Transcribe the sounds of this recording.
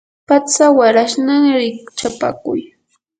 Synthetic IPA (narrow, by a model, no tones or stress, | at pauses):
pat͡sawaɾaʃnaŋɾɪk̚t͡ʃapa̰kʊj